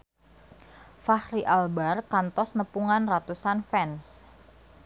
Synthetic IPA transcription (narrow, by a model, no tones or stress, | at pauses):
fahɾiʔalbarkant̪ɔsnəpuŋanrat̪usanfɛns